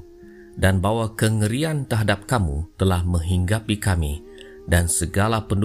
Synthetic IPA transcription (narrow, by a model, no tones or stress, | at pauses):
danbawakəŋəɾiant̪əɦadap̚kamṵt̪əlahmə̃ŋɦiŋɡapikami | dansəɡalapənd